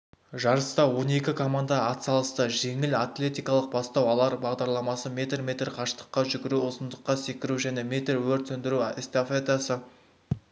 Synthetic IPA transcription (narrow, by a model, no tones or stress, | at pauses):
ʒɑɾəst̪ɑwo̞ne̞kʲɪkʰo̞mand̪ɑːt̪sɑlˠəst̪əʒe̞ŋɪlat̪lʲe̞t̪ijkɑlˠəq̚bɑst̪ɑwɑlˠɑɾbɑʁd̪ɑɾlˠɑmɑsəmʲe̞t̪rmʲe̞t̪rqʰɑʃt̪ə̥qːɑʒʏɡʲɪɾuʊsənd̪əqːɑse̞kʲɪɾuʒæne̞mʲe̞t̪rwɵɾt̪ɵnd̪ɪɾuest̪afet̪asə